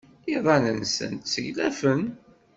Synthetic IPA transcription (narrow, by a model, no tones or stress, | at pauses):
iðˤɑnənsə̰nt̪səʝlæfən